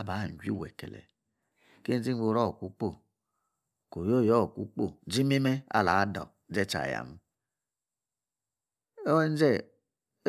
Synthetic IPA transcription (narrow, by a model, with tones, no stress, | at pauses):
a˦˨ba˨˦˨n̩˨d͡ʒi˦wɛ˨kɛ̰˨lɛ̰˨ | ke˦d͡ʒi˦ɡ͡bo˧˦ɾɔ˦˨kʷu˦k͡po˦˨ | ko˨jo˦˨jɔ˦˨kʷṵ˦k͡po˦˨d͡ʒi˦mi˦mɛ˦a̰˦˨la˨˦dɔ̰˨ | d͡ʒɛ˦t͡ʃa̰˨ja̰˨m˦ | n˦d͡ʒɛ˦˨˦